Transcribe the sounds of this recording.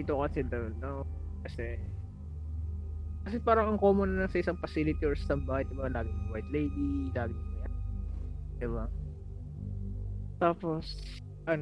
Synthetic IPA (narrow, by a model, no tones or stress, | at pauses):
d̪iːt̪okɐsɛd̪ɐwno | kɐsɛ | kɐsɛpaːɾɐŋɐŋkoːmonɐnɐsɐʔɪsɐŋfɐsiːlɪt̪iʔoɹssɐmbaːhɐjd̪ɪbalaːɡɪŋɐŋwajt̪lejd̪ilaːɡɪŋɐɐjan | d̪̥ɪba | t̪aːpo̞s | ʔɐn